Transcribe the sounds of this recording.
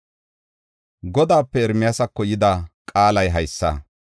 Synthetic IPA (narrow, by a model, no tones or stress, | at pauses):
ɡɔd̪aːpːɛɛɾmɪjasɐkːɔjɪd̪akʼaːlɐjɦɐjsːɐ̰